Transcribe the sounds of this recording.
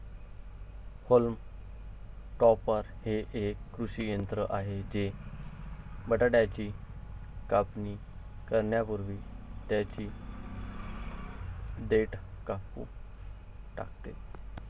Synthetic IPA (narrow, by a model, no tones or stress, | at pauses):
holm | ʈɔpəɾheʔekːɾuɕijənt̪ɾəʔaɦed͡ʑe | bəʈaɽjat͡ɕiː | kapni | kəɾɳjapuɾʋiːt̪jat͡ɕiː | d̪eʈkapṵː | ʈa̰kt̪e